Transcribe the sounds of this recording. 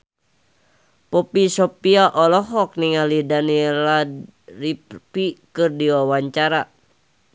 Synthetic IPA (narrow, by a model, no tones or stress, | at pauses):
pɔpisɔpiaʔɔlɔɦɔk̚niŋalidaniɛla | ripikɨrdiwawaɲt͡ʃaɾa